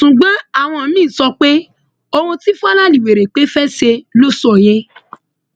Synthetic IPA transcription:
sũ˨ɡ͡bã˦a˦˨w̃ɔ̃˧˨˦mĩː˦˨sɔ˧k͡pe˦ | o˧hũ˧ti˦fa˦lã˦li˨we˨ɾe˨k͡pe˨˦fɛ˦ʃe˧lo˦sɔ˦˨je˦

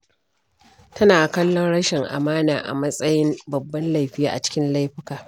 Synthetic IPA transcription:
tɐ˦naː˨kɐ˦lːɔ˦nɽɐ˦ʃɪ˨ŋʔa̰˨maː˦naː˨ʔa̰˨mɐ˦sʼɐ˦jɪ˦mbɐ˨bːɐ˦nla˦jɸɪ˦jaː˦ʔa̰˨t͡ʃɪ̥˦kʲɪ˦nla˦jɸɪ˦kaː˨

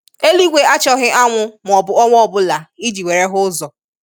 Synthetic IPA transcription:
e˦li˦ɡʷe˨a˦t͡ʃɔ˦ɦɪ˦ʔa˦ŋʷʊ˦m˨ɔ˨bʊ˨ɔ˦ŋʷ˦ɔ˦bʊ˦la˨i˦d͡ʒi˨wʷe˨ɾe˦ɦʊ˦zɔ˨

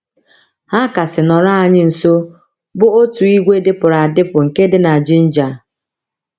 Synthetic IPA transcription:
ha˦ka˨sɪ˨nɔ˨ɾa˦a˨ɲɪ˦n̩˨so˦ | bʊ˦o˦tu˨i˦ɡʷe˦dɪ˦pʊ˨ɾa˨a˨dɪ˦pʊ˨ŋ̩˨ke˦dɪ˦na˨d͡ʒɪ˦n̩˦d͡ʒa˨

